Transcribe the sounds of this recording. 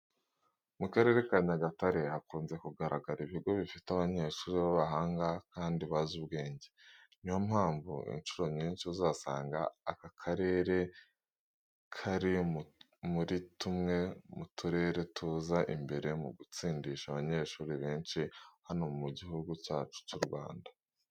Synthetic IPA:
mukaɾe̞ːɾe̞kaɲaɡataɾe̞hakuːnze̞kuɡaɾaɡaɾiβiɡo̞βifitaβaɲe̞ʃuːɾiβaβaɦaːŋɡakaːndiβazubɡe̞ːɲɟenijomhaːɱvṵḭnʃuɾo̞ɲiːnʃiuzaːsa̰ːŋɡa̰ːkakʰaɾe̞ːɾe̞ | kʰaɾi | muɾitumŋe̞mutuɾe̞ɾe̞tʰuːzaʔḭmbe̞ɾe̞mṵɡut͡siːndiʃaβaɲe̞ʃuːɾiβe̞ːnʃihano̞mumuɟiɦuɡucaːt͡ʃu̥cuɾɡwa̰ːnda

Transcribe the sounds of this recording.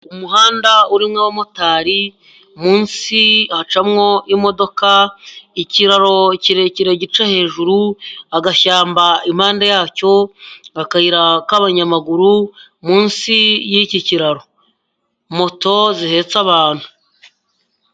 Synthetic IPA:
umuɦaːndauɾimŋawamo̞taːɾi | muːnsihat͡ʃamŋo̞ʔimo̞do̞kaiciɾaɾo̞ciɾeciɾeɟit͡ʃahe̞ːʒuɾuaɡaçaːmbaim̥haːndajaːco̞akahiɾakaβaɲamaɡuɾumuːnsijiciciɾaɾo̞ | mo̞to̞zihe̞t͡saβaːn̥hu̥

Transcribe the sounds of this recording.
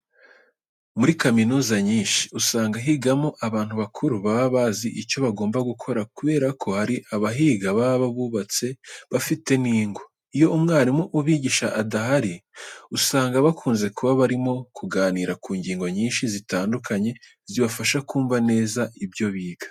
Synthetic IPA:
muɾikaminuːzaɲiːnʃi̥usaːŋɡaɦiɡamoʔaβaːn̥huβakʰuɾuβaβaβaziʔico̞βaɡo̞ːmbaɡukʰo̞ɾakuβe̞ːɾakʰo̞haɾiʔaβaɦiːɡaβaβaβaβuβat͡se̞βafite̞niːŋɡo̞ | ijo̞umŋaːɾimuʔuβiːɟiʃaʔːdaɦaɾiusaːŋɡaβakʰuːnze̞kʰuβaβaɾimo̞kʰuɡaːniːɾakuːɲɟiːŋɡo̞ɲiːnʃizitaːndukʰaɲe̞ | ziβafaʃakuːɱvane̞ːzaʔibɟo̞βiːɡ̥ḁ

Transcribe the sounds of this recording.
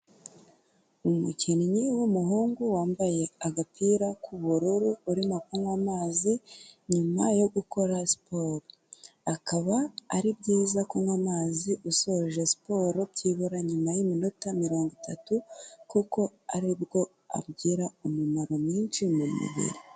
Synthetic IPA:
umuciniɲiwumuɦuːŋɡuwaːmbaje̞aɡapʰiɾakʰuβuɾuɾuuɾimokuŋwamaːziɲumajo̞ɡuko̞ɾasi̥poːɾo | akaβaːɾib̚ɟiːzakuŋwamaːziʔuso̞ʒe̞si̥po̞ːɾo̞bɟiβuɾaɲumajimino̞tamiɾo̞ːŋɡutatukuko̞aɾibɡo̞ | a̰b̚ɟiːɾaumumaɾo̞mɲiːnʃimumṵβḭɾi

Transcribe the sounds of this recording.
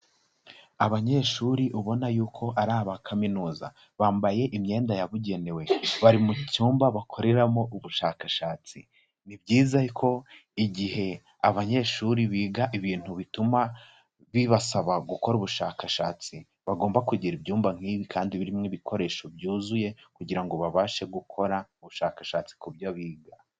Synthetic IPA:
aβaɲe̞ʃuɾiʔuβo̞najuːkʰo̞ʔaɾaːβakʰaminuːza̰ | βaːmbaje̞ʔimɲe̞ːndajaβuɟe̞ne̞we̞βaɾimucuːmbaβakʰo̞ɾe̞ɾamo̞ʔuβuʃaːkaʃaːt͡si | nibɟiːzajikʰo̞iɟihe̞ | aβaɲe̞ːʃuɾiβiːɡaʔiβiːn̥huβituma | βiβasaβaɡuko̞ɾuβuʃaːkaʃaːt͡si | βaɡo̞ːmbakuɟiɾibjuːmbaŋ̥hiːβikʰaːndiβiɾimŋiβikʰo̞ɾe̞ʃo̞bjuːzuje̞kuɟiɾaŋɡo̞βaβaːʃe̞ɡukʰo̞ɾauβuʃaːkaʃaːt͡si̥kubjaβiːɡa

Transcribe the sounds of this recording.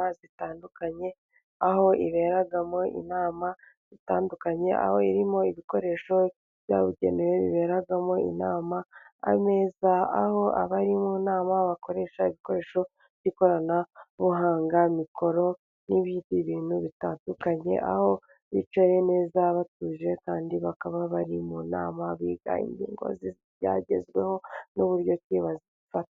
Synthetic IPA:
azitaːndukaɲe̞ | aho̞ḭβe̞ɾaɡamo̞ḭnaːma | z̥itaːndukaɲe̞ʔa̰ho̞iɾimo̞iβiko̞ɾe̞ːʃo̞ | β̥ja̰βuɟḛneweβḭβe̞ɾaɡamo̞ḭnaːma̰ːme̞ːzaaho̞a̰βaɾimunaːmaβako̞ɾe̞ʃaiβiko̞ɾe̞ːʃo̞ | ɟiko̞ɾanaβuɦaːŋɡamiko̞ɾo̞ | niβiːdiβiːn̥huβitandukaɲe̞̰ʔa̰ho̞ | βit͡ʃoje̞ne̞ːzaβatuːʒe̞kaːndiβakaβaβaɾimuna̰ːmaβiːɡa̰ḭɲɟḭːŋɡo̞̰zi | ja̰ɟe̞̰zɡwe̞ho̞nuβuɾjo̞ciβaziβifatḁ

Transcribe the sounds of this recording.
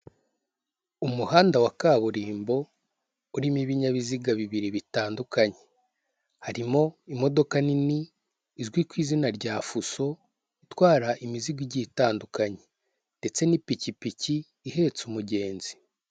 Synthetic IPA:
umuhaːndawakaβuɾiːmbo̞ | uɾimiβiɲaβiziɡaβiβiɾiβitaːndukaɲe̞̥ | haɾimo̞imo̞do̞kaniniː | zɡwikwiːzinaɾɟaːfuso̞ | itwaːɾaʔimiziɡwiɟitaːndukaɲe̞ | nde̞t͡se̞nipicipiciː | he̞t͡sumuɟe̞ːnzi̥

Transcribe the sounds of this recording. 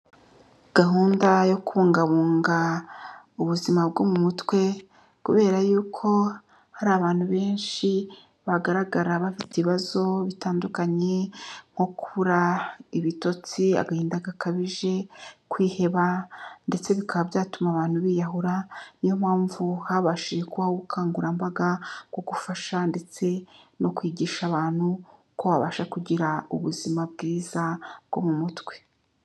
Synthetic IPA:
ɡ̥aɦuːndajo̞kuβuːŋɡaβuːŋɡa | uβuzimabɡomumutwe̞ | kuβe̞ːɾajuːkʰo̞ | haɾaβaːn̥huβe̞ːnʃi | βaɡaɾaɡaɾaβafiteβiβazo̞βitaːndukaɲe̞ŋ̥ho̞kuβuɾaiβito̞t͡sia̰ɡahiːndaɡakaβiʒe̞kwiːhe̞βande̞t͡se̞βikaβabjaːtumaβaːn̥huβiːjaɦuɾanijo̞m̥haːɱvuhaβaʃiekuβaoɡukʰaːŋɡuɾambaɡaɡwo̞ɡufaʃande̞t͡se̞no̞kwiːɟiːʃaːβaːn̥hu | ko̞βaβa̰ʃakuɟiɾaṵβuzimab̚ɡiːzabɡo̞̰mumutwe̥

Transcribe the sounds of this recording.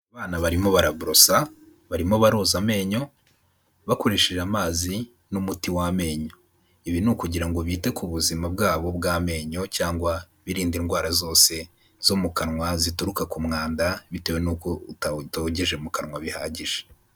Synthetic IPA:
aβaːnaβaɾimo̞βaɾaβuɾo̞sa | βaɾimo̞βaɾoːzame̞ːɲo̞ | βako̞ɾeʃeʒamaːzi | numutiwame̞ːɲo̞ | iβinukuɟiɾaŋɡo̞βiːte̞kuβuzimab̚ɡaːβo̞bɡaːme̞ːɲo̞caːŋɡwa | βiɾiːndinɡwaːɾazo̞ːse̞ | z̥omukanŋwazituɾukakumŋaːndaβitewenukoutatoɟeʒemukanŋwaβiha̰ːɟiʒ̥e̥

